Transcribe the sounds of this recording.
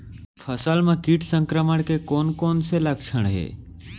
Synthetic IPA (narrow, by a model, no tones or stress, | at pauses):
fʰəsaːlmãːkiːʈʰsəŋkɾəməɽ̃kʰeːkoːnkoːnseləkʃʰəɽ̃ɦḛː